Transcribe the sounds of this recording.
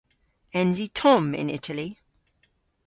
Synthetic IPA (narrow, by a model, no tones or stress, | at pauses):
ɛ̃nzitʰɔ̃mɪ̰̃nɪ̰tʰəli